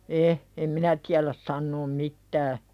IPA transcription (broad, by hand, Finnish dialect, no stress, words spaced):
e em minæ tiælæs sɑnːoːm mitːæː